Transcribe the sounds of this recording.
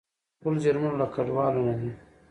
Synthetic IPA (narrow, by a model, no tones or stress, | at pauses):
pʊld͡ʒaɾmnlakaɖwɑːlonad̪i